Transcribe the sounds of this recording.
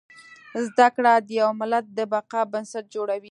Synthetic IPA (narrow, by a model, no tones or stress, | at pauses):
zd̪akɽad̪əjawmɪlat̪̚d̪əbaqɑbansaʈ̚d͡ʒoɽawi